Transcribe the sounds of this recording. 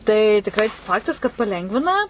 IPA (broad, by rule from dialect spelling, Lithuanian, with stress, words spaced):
tɐɪ tʲɪkˈrɐɪ ˈfɑːktɐs kɐt pɐˈlʲɛŋɡʋʲɪnɐ